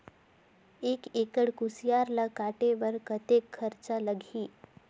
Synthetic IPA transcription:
ekekəɽkusjaɾlakaʈeʋəɾkət̪ekʰːəɾt͡saləɡʱiː

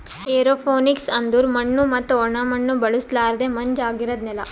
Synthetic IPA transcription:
eːɾoːpʰoːniksɐnd̪uɾmɐɳːumɐt̪ːuɔɳɐmɐɳːubɐɭuslaːɾɐd̪emɐɲd͡ʒaːɡiɾɐd̪nɛlɐ

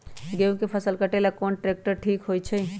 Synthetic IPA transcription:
ɡeũkepʰəsəlkəʈelakonʈɾek̚ʈəɾʈʰikɦojt͡ʃʰɛj

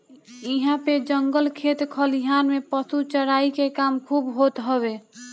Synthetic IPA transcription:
iɦãped͡ʒəŋɡəlkʰet̪kʰəliɦanmepəsut͡ʃəɽaikekamkʰubɦot̪ɦəβe

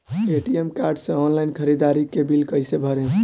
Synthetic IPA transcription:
eʈijemkaɾɖsẽɔnlajnkʰəɾid̪aɾikebilkəjsebʱəɾe

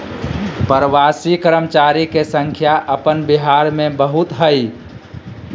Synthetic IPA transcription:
pəɾəʋasikəɾəmt͡ʃaɾikesə̃ŋkʰjaʔəpənbiɦaɾmẽbəɦut̪ɦəj

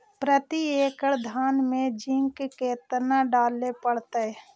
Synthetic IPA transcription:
pɾət̪ieːkəɽd̪ʱaːnmẽd͡ʒɪŋkkeːt̪naɖaːlepəɽt̪əɦɛ

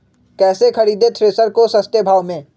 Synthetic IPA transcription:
kɛːsekɐɾiːd̪et̪ʰɾeːsəɾkosɐst̪ebʱaːʋmẽː

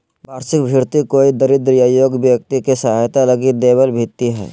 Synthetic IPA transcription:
baːɾsɪkbʱɪɾt̪ikoːid̪əɾɪd̪ɾijajoːɡbjək̚t̪ikesɐɦaːjt̪alɐɡid̪eːbəlbʱit̪ːiɦɛ̰ː

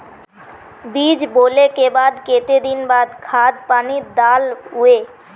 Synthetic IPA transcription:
bid͡ʑbolekebad̪ket̪ed̪inbad̪kʰad̪̚panid̪alue

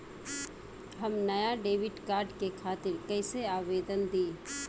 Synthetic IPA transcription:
ɦɐmnɐjaɖeːʋɪɖkaːɾɖkekʰaːt̪ɪɾkɐɪseaːʋeːd̪ənd̪iː

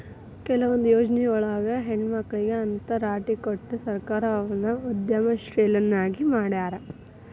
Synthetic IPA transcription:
kɛlɐʋond̪ujoːd͡ʒnijɔɭɐːɡɐɦeɳɖmɐkːɐɭiɡeɐnt̪ɐɾaːʈikoʈːusɐɾkaːɾɐɐʋɐnːɐud̪jɐmɐʃɾeːlɐnːaːɡimaːɽaːɾɐ

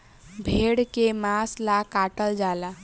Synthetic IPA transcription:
bʱeɽkemaslakaʈəld͡ʒala

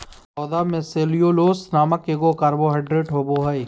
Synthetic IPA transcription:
ɔːd̪aːmẽseːlijoloːsnaːməkeːɡokaɾboɦɐɪɖɾeːʈɦoːboːɦɐi

